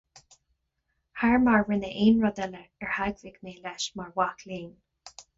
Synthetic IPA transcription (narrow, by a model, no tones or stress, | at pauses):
haɹmaɹɹɪnəʔeːnɹɔd̪ɛləɛɹhaɡsɪɡneːlɛʃmaɹwakliːn